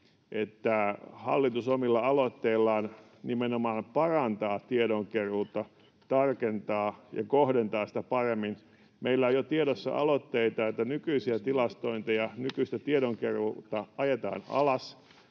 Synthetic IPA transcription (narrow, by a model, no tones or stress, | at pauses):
ʔet̪ːæhɑ̰lːit̪usomilːɑɑlot̪ːeilːɑːn | nimenomɑːmpɑrɑnt̪ɑːt̪iedoŋkeruːt̪ːɑ | t̪ɑrkent̪ɑːjɑ̰kohdent̪ɑːsi̥t̪æpɑremːin | meilːæojot̪ieɾosːɑ̰ʔɑ̰lot̪ːeit̪ɑet̪ːænykyisiæt̪ilɑst̪oint̪ejɑnykyist̪æt̪ieɾoŋkerut̪ːɑɑjet̪ɑ̰ːnɑ̰lɑs